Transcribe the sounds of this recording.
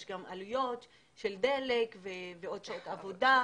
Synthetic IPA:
ʃɡama̰lujo̞t̪ | ʃeld̪elekveveo̞d̪ʃaot̪avo̞d̪a

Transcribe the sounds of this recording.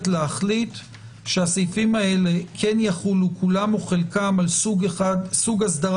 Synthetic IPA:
tleaχlit̪ | ʃeasijfimae̞le̞kʰenjaχulukʰulamoχelkamaluasuɡhasd̪aʁ

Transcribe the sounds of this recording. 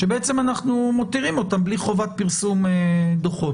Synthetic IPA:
ʃebeet͡se̞manaχnumot̪iʁimo̞t̪ambliχo̞vat̪̚piʁsumed̪oχot

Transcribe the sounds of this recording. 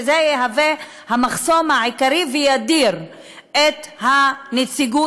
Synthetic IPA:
zejeɦave | hamaχso̞maʕikaʁivejad̪iʁ | et̪hanet͡siɡu

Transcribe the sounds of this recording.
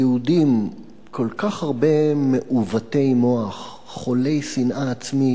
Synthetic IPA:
eudim | kʰo̞lkaχhaʁbe̞me̞ʔuvate̞jmo̞aχ | χːo̞le̞jsinʔaːt͡smi

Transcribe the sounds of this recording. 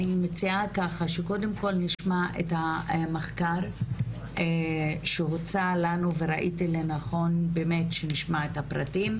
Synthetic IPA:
animet͡siakaχaʃe̞ko̞de̞mko̞lniʃmaʔḛthameχkaɾ | ʃeɦot͡salanuve̞ɾaʔitilenaχo̞nbeme̞tʃeniʃmaethapʁatim

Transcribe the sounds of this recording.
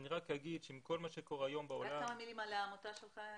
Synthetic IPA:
niʁakjaɡidʃeimko̞lmaʃekoʁeajo̞mbaolaamamilimaleamot̪aʃelχa

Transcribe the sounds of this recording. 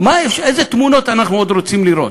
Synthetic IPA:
maefʃezet̪muno̞t̪anaχnuod̪ɾot͡simliɾo̞̰t̪

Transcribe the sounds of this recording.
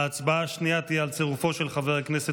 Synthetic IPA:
aːt͡sbaaʃniat̪iealt͡seʁufo̞ʃe̞lχaveʁaknese

